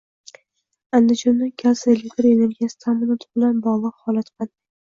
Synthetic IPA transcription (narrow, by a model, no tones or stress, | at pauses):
and̪ɪd͡ʒɒnːɪkʲʰaselekʲt̪ɾene̞ɾɡʲijasɪ̥t̪ʰamɪnɒt̪ʰɪ̥bɪlanbɒʁlˠɨqhɒlˠat̪band̪ɪ